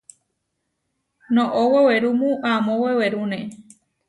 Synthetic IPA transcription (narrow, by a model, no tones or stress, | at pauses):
nõʔoweweɾumũʔamõweweɾunẽ